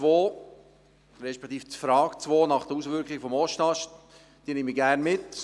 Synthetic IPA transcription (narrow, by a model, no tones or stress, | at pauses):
t͡sʋoː | ɾɛʃpɛ̥kt̪iːft͡sfɾɑːkt͡sʋoːnɑχd̥̪əɾusʋʏɾkχɪɡəfɔmɔʃtɑʃ | d̥iːnɪmiɡæɾnmɪt